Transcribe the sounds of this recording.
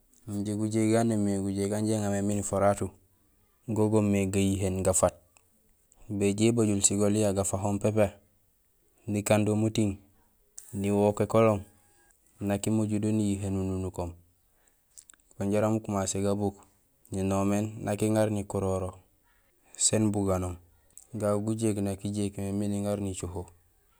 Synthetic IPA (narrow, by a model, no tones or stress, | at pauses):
muɲɟeɡuɟeɡanemeɡuɟeɡanɟeŋameminifoɾatu | ɡoɡomːeɡajiɦenɡafat̚ | beɟebaɟulsiɡolijaɡafaɦompepe | dikandomutiŋ | niwokekolom | nakimoɟudonijiɦenununukom | koɲɟaɾamukumaseɡabuk | ninomennakiŋaɾnikuɾoɾo | senbuɡanom | ɡaɡuɟeknakiɟekmeminiŋaɾnit͡ʃoɦo